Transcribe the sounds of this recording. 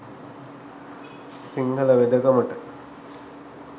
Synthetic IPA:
siŋɡɐlɐʋed̪ɐkɐmɐʈɐ

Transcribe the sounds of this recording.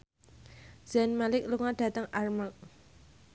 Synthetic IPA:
z̥ɛnmalɪk̚luŋad̥a̤t̪əŋʔarmak̚

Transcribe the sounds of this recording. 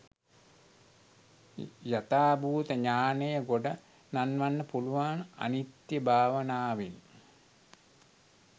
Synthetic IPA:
jat̪aːbuːt̪əɲaːnəjəɡoɖa | nanʋanːəpuluʋaːna̰nit̪jəbʱaːʋənaːʋeŋn

